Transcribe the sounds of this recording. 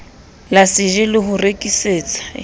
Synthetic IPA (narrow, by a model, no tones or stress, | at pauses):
lasɪʒɪlɪɦʊrekʼiseːt͡sʼḁ